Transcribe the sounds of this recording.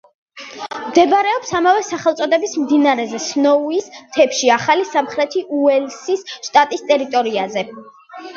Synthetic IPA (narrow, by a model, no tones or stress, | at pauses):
md̪ɛbɾɛɔpsamavɛsaχɛlˠt̪sʼɔd̪ɛbismd̪inaɾɛzɛsnɔuist̪ʰɛpʃiaχalisamχɾɛt̪ʰiʔuɛlsisʃt̪ʼat̪ʼist̪ʼɛɾit̪ʼɔɾiazɛ